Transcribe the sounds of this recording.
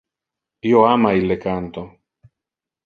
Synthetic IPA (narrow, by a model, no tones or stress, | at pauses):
joamajlekant̪o